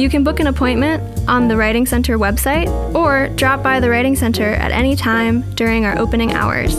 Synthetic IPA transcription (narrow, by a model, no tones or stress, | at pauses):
jɨkɨ̃nbʊkɨ̃ñəpʰɔ̃ɪ̃nmɨ̃ntʔn̩ðɨɹaɪɾɪ̃ŋsɛ̃ntʰə˞wɛb̥saɪɾə˞dɹɑp̚b̥aɪðɨɹaɪɾɪ̃ŋsɛ̃ntʰə˞ɨ̰ɾʔɛ̰nitʰãɪ̃mdʊɹɪ̃ŋaʊə̰˞ʔoʊpɨ̃nɪ̃ŋa̰ʊə̰˞z̥